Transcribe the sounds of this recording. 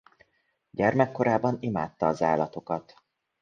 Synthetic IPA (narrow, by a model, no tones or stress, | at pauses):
ɟɛrmɛkːo̞ɾaːbɒnimaːt̪ːɒːzaːlɒt̪o̞kɒt̪